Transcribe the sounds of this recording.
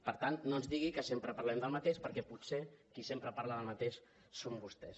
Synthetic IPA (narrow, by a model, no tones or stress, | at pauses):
pəɾt̪annoənzðiɣikəsempɾəpaɾlɛmd̪əlˠmət̪eʃpəɾkɛput̪sekisempɾəpaɾlaðəlˠmət̪eʃ | sombust̪ɛs